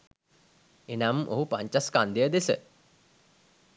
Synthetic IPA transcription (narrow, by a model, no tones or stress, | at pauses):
enamʔo̰ɦupaɲt͡ʃaskand̪ijəd̪esə